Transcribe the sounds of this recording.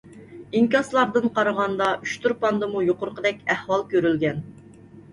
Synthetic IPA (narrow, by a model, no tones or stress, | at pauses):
iŋkʲɑslˠɑɾd̪ɨnqɑɾəʁɑnd̪ɑʔyʃt̪ʰuɾpɑnd̪ɨmujoqʊɾqəd̪ɛkʲæhwɑlˠkʲøɾylɡʲɛn